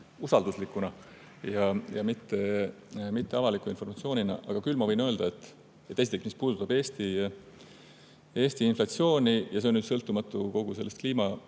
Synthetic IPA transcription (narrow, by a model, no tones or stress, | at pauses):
usɑld̪uslikːˑunɑ | jɑjɑmit̪ːe̞ | mit̪ːe̞ɑvɑlikːˑuinfo̞rmɑt̪sio̞ːninɑ̰ʔɑɡ̥ɑkylːmɑvɤ̞jnø̞ːld̪̥ɑet̪ːˑ | et̪ːˑe̞sit̪eksmispuːd̪̥ut̪ːˑɑbe̞ːst̪i | e̞ːsʲt̪iinflɑt̪sio̞ːnʲijɑs̬e̞nyːd̪sɤlt̪ːˑumɑt̪ːˑuko̞ɡ̥use̞lːest̪kliːmɑ